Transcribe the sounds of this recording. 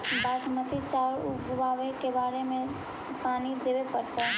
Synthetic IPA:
baːsmət̪ʰit͡ʃaːɾuɡʊʋaːʋekebaːɾemẽ | paːnid̪eʋepəɾt͡ʃ̪a

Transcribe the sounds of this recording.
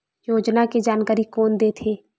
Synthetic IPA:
joːd͡ʒnaked͡ʒaːnkaɾikɔːnd̪et̪ʰeː

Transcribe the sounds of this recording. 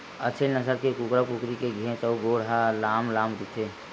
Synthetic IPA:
ət͡ʃʰelnəsəɾkekukɾapukɾikeɡʱẽt͡ʃəuɡoːɽɦalaːmlaːmɾit̪ʰe

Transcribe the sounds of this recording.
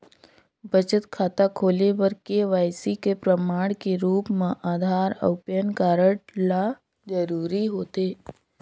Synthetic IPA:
bət͡ʃət̪kʰaːt̪akʰoːlebəɾkeʋaːjsikepɾəmaːɽ̃keɾuːpmãʔaːd̪ʱaːɾə̰wpjənkaːɾəɽla | d͡ʒəɾuːɾiɦoːt̪eː

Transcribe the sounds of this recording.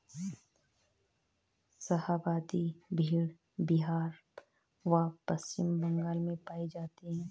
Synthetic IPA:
sɐhaːbaːd̪ibʱiːɽ | biɦaːɾ | ʋapɐst͡ʃɪmbɐ̃ŋɡaːlmẽpaːid͡ʒaːt̪iɦɛ̃ː

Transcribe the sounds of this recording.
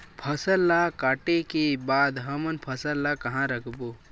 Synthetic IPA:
pʰəsəlːakaːʈekebaːd̪ɦəmənpʰəsəlːakɐɦãɾɐkʰbo

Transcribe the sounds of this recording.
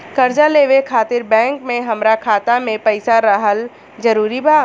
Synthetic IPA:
kɐɾd͡ʒaleːʋekʰaːt̪ɪɾbɛ̃ːŋkmẽɦɐmɾakʰaːt̪amẽpɐɪsaɾɐɦəl | d͡ʒɐɾuːɾibʱaː

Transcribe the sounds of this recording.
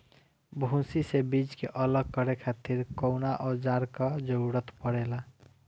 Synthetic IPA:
bʱũsisebid͡ʒkeʔələɡ̚kəɾekʰat̪iɾkɔwnaʔɔd͡ʒaɾkəd͡ʒəɽət̪pəɽɛla

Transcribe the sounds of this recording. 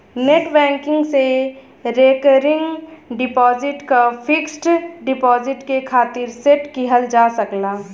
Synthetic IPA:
neʈbɛ̃ːŋkɪ̃ŋɡse | ɾeːkəɾɪ̃ŋɡɖɪpɔːzɪʈkapʰɪksʈɖɪpɔːzɪʈkekʰaːt̪ɪɾseʈkiɦəld͡ʒaːsəklaː

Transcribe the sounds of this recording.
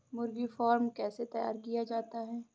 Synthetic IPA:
mʊɾɡifaːɾmkɛːset̪ɐja̰ːɾkijad͡ʒaːt̪aɦɛː

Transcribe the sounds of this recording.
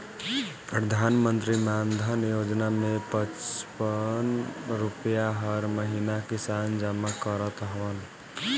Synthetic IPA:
pɾəd̪ʱanmənt̪ɾimand̪ʱənjod͡ʒnamepət͡ʃpənɾupjaɦəɾməɦinakisand͡ʒamakəɾət̪ɦʋən

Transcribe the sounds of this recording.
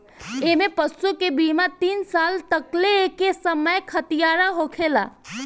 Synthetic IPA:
emẽpəsukebimat̪iːnsalt̪əklekesəməjkʰət̪ijaɾaɦokʰela̰

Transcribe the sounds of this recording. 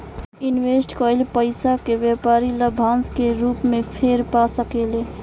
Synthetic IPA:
inwesʈkəjlpəɪsakeʋjepaɾiləbʱanskeɾupmepʰeɾpasəkele

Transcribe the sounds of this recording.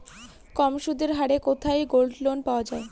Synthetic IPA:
kɔmʃud̪eɾɦaɽekot̪ʰajɡolɖlonpaoad͡ʑae

